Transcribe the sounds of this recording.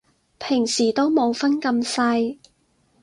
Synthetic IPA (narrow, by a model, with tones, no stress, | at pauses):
pʰɪ˨˩ŋsiː˨˩t̪o˥wmo˨˧wfɐ˥nkɐ˧msɐ˧j